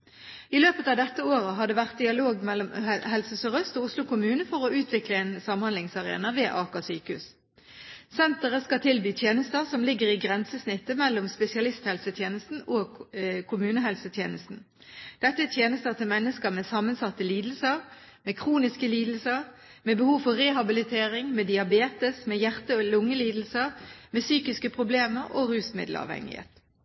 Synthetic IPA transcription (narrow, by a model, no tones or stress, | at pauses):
ɪløːpət̪ɑːʋd̪ɛt̪ːəoːʁəɦɑd̪ɛːʋæʁt̪̚d̪ɪɑloːɡmɛlːɔmɦɛlsəsəʁœst̪ɔʊslʊkʊmʉːnəfɔʁɔʉːt̪ʰʋɪkləeːnsɑmhɑnd̪lɪŋsɑʁḛːnɑʋeːʔɑːkɑsyːkʉs | sɛnt̪əʁəskɑt̪ʰɪlbyːt̪ʰjeːnəst̪əʁsɔmlɪɡəʁɪɡʁɛnsəsnɪt̪ːəmɛlːɔmspɛsɪɑlɪst̪hɛlsət̪ʰjeːnəst̪n̩oːkʰʊmʉːnəɦɛlsət̪ʰjḛːnəst̪n̩ | d̪̥ɛt̪ːət̪ʰjeːnəst̪ət̪əmɛnːəskəʁmeːsɑmənsɑt̪ːəliːd̪l̩səʁ | meːkʰʁuːnɪskəliːd̪l̩səʁ | meːbəhuːʋfɔʁɛːɦɑbɪlɪt̪ʰeːʁɪŋmeːd̪ɪɑbeːt̪əsmeːjæʁt̪əɔlʊŋːəliːd̪l̩səʁmeːsyːkɪskəpʰʁʊbleːməʁoːʁʉːsmɪ̰d̪lɑ̰ːʋhɛ̰ŋɪ̰hḛːt̪